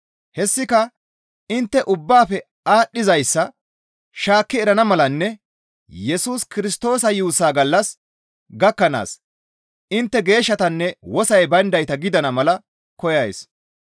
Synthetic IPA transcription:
hɛsːɪkɐ | ɪnt̪ːɛʔʊbːaːfɛ | aːɗːɪzɐjsːɐ | ʃaːkːɪɛɾɐnɐmɐlɐnːɛ | jɛsuːskɪɾɪst̪o̞ːsɐjuːsaːɡɐlːɐs | ɡɐkːɐna̰ːs | ʔɪnt̪ːɛɡe̞ːʃːɐt̪ɐnːɛwɔsɐjbɐnd̪ɐjt̪ɐɡɪd̪ɐnɐmɐlɐ | kɔjɐjs

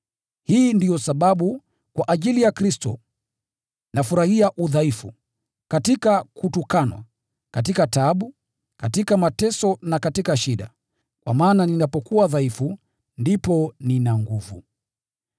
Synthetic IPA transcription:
hiːndijɔsaɓaɓu | kwaʔaʄilijakɾistɔ̰ | nafuɾahiaʔuðaifu | katikakutukanwa̰ | katikataɓu | katikamatɛsɔnakatikaʃiɗa̰ | kwa̰maːnaninapɔkuaðaifu | ndipɔninaŋɡuvṵ

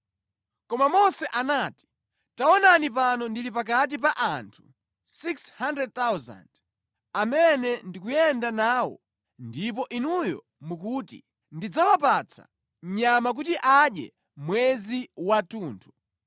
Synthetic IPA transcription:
kɔmamɔsɛʔanati̥ | taɔnanip̬anɔndilipak̬at̬ipaʔantʰu̥ | sikshandɾɛd̚t̪awza̰nd̥ | amɛnɛndikujɛndanaːwɔ̰ | ndipɔʔinujɔ̰ | mukuːtḭ | ndid͡zawapat͡sʰa̰ | m̩ɲamak̬utiʔaɗjɛ̰ | mwɛziwatuːntʰu̥

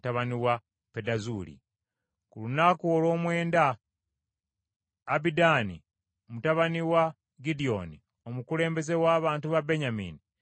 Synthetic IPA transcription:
taβaniwa | pedazulḭ | kulunakwolo̞ːmwe̞ːnda | bidaːnḭ | omutaβaniwa | ɡidio̞̰nḭ | o̞mukule̞ːmbe̞ze̞waːβaːntuβabe̞ɲamḭːni

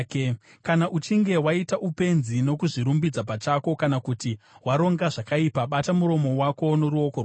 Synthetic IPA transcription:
k | kanaʔut͡ʃiŋɡe̞waitaʔupe̞nzino̞kuʐiɾumbid͡zapat͡ʃako̞kanakutiwaɾo̞ŋɡaʐakaipaɓatamuɾo̞mo̞wako̞noɾuokor

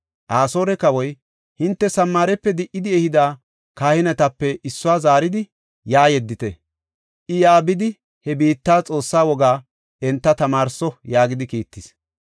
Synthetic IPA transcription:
ʔaːsoːɾɛkɐwɔj | hɪnt̪ːɛsɐmːaːɾɛpːɛd̪ɪʔɪd̪ɪɛhɪd̪aː | kaːhɪnɛt̪ɐpːɛʔɪsːʊwaːzaːɾɪd̪ɪ | jaːjɛd̪ːɪt̪ɛ̰ | ʔɪjaːbɪd̪ɪ | hɛbiːt̪ːaːt͡sʼo̞ːsːaːwɔɡaː | ɛnt̪ːɐt̪ɐmaːɾsɔjaːɡɪd̪ɪkiːt̪ːɪs

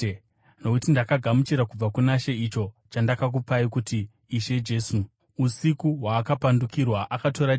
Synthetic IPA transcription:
no̞kutindakaɡʱamut͡ʃiɾakub͡vakunaʃe̞it͡ʃo̞ | t͡ʃandakak̬upaikutiː | ʃe̞d͡ʒe̞ːsu | usikuɦwaːkapandukirwaʔakato̞ɾa

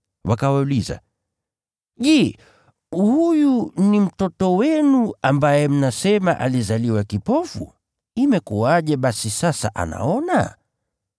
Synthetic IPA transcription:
wakawauliza̰ | ʄɛː | hujunim̩tɔtɔwɛnuambajɛm̩nasɛmaʔalizaliwakipɔfṵ | imɛkuwaʄɛɓasisasaʔa̰na̰ɔna̰

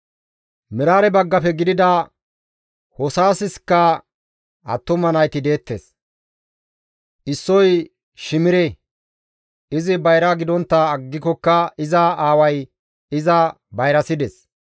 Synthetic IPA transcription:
mɪɾaːɾɛbɐɡːɐpɛɡɪd̪ɪd̪ɐ | hɔsaːsɪskːɐ | ɐ̰t̪ːʊmɐnɐjt̪ɪd̪e̞ːt̪ːe̞̰ːs | ʔɪsːɔj | ʃɪmɪɾɛ | ɪzɪbɐjɾɐɡɪd̪ɔnt̪ːɐːɡːɪkɔkːɐɪzɐaːwɐj | ɪzɐ | bɐjɾɐsɪd̪ɛs

